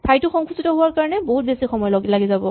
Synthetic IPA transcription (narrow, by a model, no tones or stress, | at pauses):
tʰajtʊxɔŋkʰusitɔɦʊwaɹkaɹɔnɛboɦut̚besixɔmɔjlɔɡilaɡizabɔ